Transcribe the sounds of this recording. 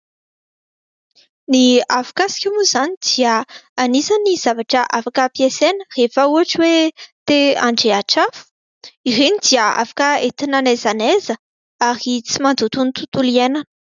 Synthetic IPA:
niafḁkasi̥kimuzanid̪̥iəanisaniz̥avaʈ͡ʂəʔafakəpjesenərefəuaʈ͡ʂwet̪ea̰ɳɖ͡ʐeaʈ͡ʂafu̥ | iɾenid̪iəa̰fḁkəet̪inanezanezə | aɾit͡simand̪ut̪unit̪ut̪ulienan̥

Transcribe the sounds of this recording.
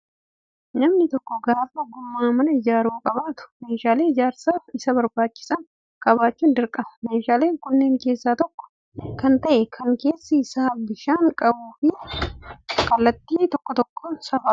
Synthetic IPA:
nɐmnɪt̪ɔkːɔɡaːfɐɡʊmːaːmɐnɐɪd͡ʒaːɾuːkʼɐβaːt̪ʊ̥me̞ːʃaːle̞ːd͡ʒaːɾsaːɪsɐbɐɾbaːt͡ʃːɪ̥sɐn | kʼɐbaːt͡ʃːuːnd̪ɪɾkʼɐmɐmeːʃaːle̞ːŋkʊnːe̞ːŋke̞ːsːaːt̪ɔkːɔ̥ | kɐnt̪ɐʔɛkʰɐŋke̞ːsːɐɪsaːbɪʃaːŋkʼɐbuːfɪ | kʼɐlːɐt̪ːiːt̪ɔkːɔt̪ɔkːɔsɐfɐɾʊ̥

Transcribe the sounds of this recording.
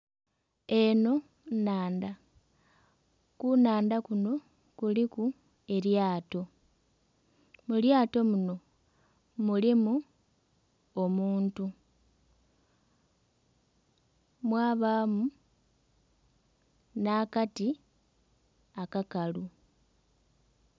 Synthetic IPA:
e̞no̞ | naːnda | kunaːndakuno̞ | kuliku | e̞ɾjaːto̞ | muljaːto̞muno̞ | mulimu | omuːntu | mwaːβamu | naːkati | akakalu

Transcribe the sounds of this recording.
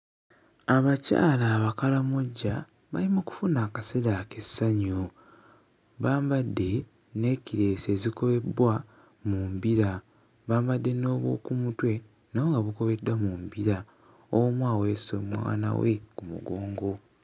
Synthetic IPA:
aβaca̰ːlaːβakalamoɟːa | βa̰limoku̥funaːkaselaːkesːaɲo | βaːmbadːe̞ | ne̞ciɾe̞ːse̞ːziko̞βe̞bwa | muːmbiɾa | βaːmbadːe̞no̞ːβwo̞̰ːkumutwe̞ | naoŋɡaβuko̞βe̞dːwamumbiɾa | owmwaːwesomwa̰ːna̰wḛkumṵɡo̞ːŋɡo̞

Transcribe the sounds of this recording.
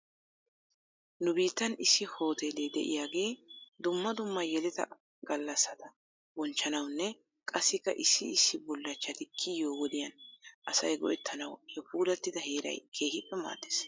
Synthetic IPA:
nʊbiːt̪ːɐnɪsːɪho̞ːt̪eːled̪ɛ̰ʔɪ̰jaːɡe̞ːd̪ʊmːɐd̪ʊmːɐjɛlɪt̪ɐ̰ | ɡɐlːɐsːɐd̪ɐ | bɔnt͡ʃːɐnɐwnːɛ | kʼɐsːɪkːɐʔɪsːɪɪsːɪbɔlːɐt͡ʃːɐt̪ɪkʰːɪjoːwɔd̪ɪjɐnʔɐsɐjɡɔ̰ʔɛt̪ʰːɐnɐwjɔpuːlɐt̪ːɪd̪ɐheːɾɐ̰jkʰe̞ːhɪpʼːɛma̰ːt̪ːe̥s

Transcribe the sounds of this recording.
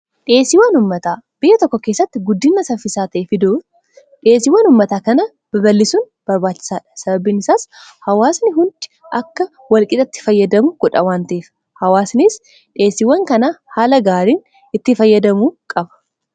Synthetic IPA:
ᶑe̞ːsɪwɐnʊmːɐt̪aːb̥ɪjːɛt̪ɔkːɔke̞sːɐt̪ːɪɡʊd̪ːinːɐsɐfɪsaːt̪ɐʔeːfɪd̪oː | ᶑeːsɪwɐːnʊmːɐt̪aːkɐnɐ | b̥ɐbɐlːɪsuːn | b̥ɐɾbaːt͡ʃːɪ̥saːᶑɐ̥sɐbɐbiːnɪsaːshɐwaːsnɪɦʊnd̪ɪ̥ | ʔɐkːɐ | wɐlkʼɪt̪ʼɐt̪ːɪ̥fɐjːɐd̪ɐmʊɡ̥ʊᶑɐ̰waːnt̪ɐʔeːf | hɐwaːsnɪs | ᶑe̞ːsɪwɐŋkɐnahaːlɐɡaːɾiːn | ɪt̪ːɪfɐjːɐd̪ɐmuːkʼɐbɐ̥

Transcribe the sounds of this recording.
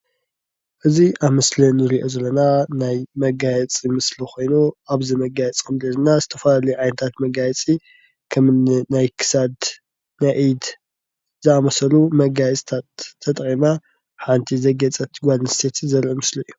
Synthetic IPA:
ʔɨziʔaβmɨslinɨɾiʔo̞zɐlːɐnanajmɐɡajɛt͡sʼimɨslixʰo̞jnuaβzimɐɡajɛt͡sʼkʰɐmlɐlɨnazɨt̪ʰɐfɐlalɐjuʕajnɐt̪ʰat̪mɐɡajɛt͡sʼi | kʰɐmnnajkʰɨ̥sad̪ | najʔid̪ | zɨamɐsɐlumɐɡajɛt͡sʼt̪ʰat̪ʰːɐt̪ʼqʼima | ħant̪ʰizɐɡɐt͡sʼɐt̪ʰɡʷalnst̪ʰet̪ʰzɐlɐmɨsliɨjːu

